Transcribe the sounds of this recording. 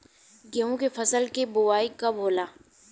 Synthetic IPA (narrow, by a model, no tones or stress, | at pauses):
ɡeõkefɐsəlkebʊʋaːikɐbʱoːlaː